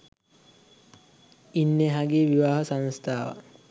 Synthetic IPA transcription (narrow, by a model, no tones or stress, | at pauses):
inːeɦaɡieʋiʋaːɦəsaŋst̪ʰaːʋa̰